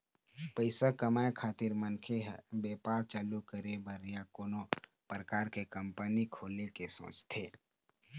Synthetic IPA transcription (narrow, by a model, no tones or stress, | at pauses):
pəɪsakəmaːjkʰaːt̪ɪɾmənkʰeɦbeːpaːɾt͡ʃaːlukəɾebʱəɾijakoːno | pɾəkaːɾkekə̃mpənikʰoːlekeso̰ːt͡ʃt̪ʰeː